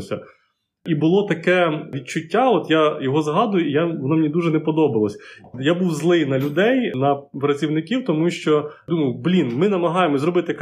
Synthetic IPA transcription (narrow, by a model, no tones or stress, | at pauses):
sʲɐ̰ | ibʊlˠɔt̪ɐkɛʋʲid̪̚t͡ʃʊtʲːaɔt̪jajɔɦɔzɦɑd̪ʊjʊijaʋɔnɔmɪnʲid̪uʒɛnɛpɔd̪ɔbɐlˠɐsʲjabuwzlˠɪjnɐlʲʊd̪ɛjnɐpɾɐt͡sʲiwnɪkʲiwt̪ɔmuʃt͡ʃɔd̪umɐjʊblʲinmɪnɐmɐɦɑjemɔzɾɔbɪt̪ɪk